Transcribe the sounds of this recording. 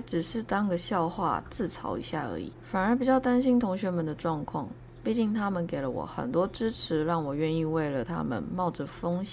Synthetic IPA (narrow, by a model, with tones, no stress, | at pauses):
ʈ͡ʂɻ̩˨˩ʂɻ̩˥˩t̪ɑ˥ŋɡə˨ɕjɑ˥˧ʊxwa̰˥˧t͡sɹ̩˥˩t͡sʰɑ̰˧˥ʊḭ˧˥ɕja̰˥˩ə̰˧˥ḭ˨˩˦fa˨˩nə˞˧˥p̬i˨˩t͡ɕjɑ˥˩ʊt̪a˥nɕi˥nt̪ʰʊ˧˥ŋɕɥɛ˧˥mə˨˥nd̪ə˨ʈ͡ʂwɑ˥˧ŋkʰwɑ̰˥˩ŋ | pi˥˧t͡ɕi˥˩ŋt̪ʰa˥mə˨nke˨˩ɪlə̰˦wɔ̰˨˩xə̰˨˩nt̪wɔ˥ʈ͡ʂɻ̩˥ʈ͡ʂʰɻ̩˧˥˦ɻɑ˥˩ŋwɔ˨˩ɥɛ˥˧ni˥˧we˥˩ɪlə˩t̪ʰa̰˥mə̰˨nmɑ˥˩ʊʈ͡ʂə˨˩fɤ˥ŋɕ